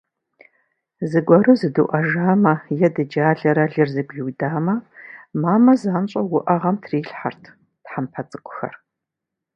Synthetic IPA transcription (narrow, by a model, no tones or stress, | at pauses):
zɨɡʷɔɾɨzɨdṵʔɐʒaːmɐjɛdɨd͡ʒaːɮɐɾɐɮɨrzɨɡʷɮuːdaːmɐmaːmɐzaːnɕʼɐwʊʔɐʁɐmtʰriːɬħartʰ | tħampʰɐt͡sʼɨkʷʼʊ̥xɐ̰r